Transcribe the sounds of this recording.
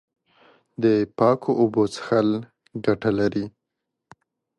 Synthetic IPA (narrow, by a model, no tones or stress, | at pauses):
d̪əpɑkʰoʔobot͡sxal | ɡaʈalaɾi